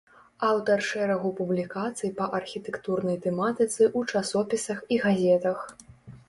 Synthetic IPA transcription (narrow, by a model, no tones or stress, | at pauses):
awt̪ɐrʂɛɾɐɣupublʲikat̪sɨjpɐʔɐrxʲit̪ɛkt̪urnɐjt̪ɛmat̪ɨt̪sɨʔut͡ʂasɔpʲisɐxiɣazʲɛt̪ɐx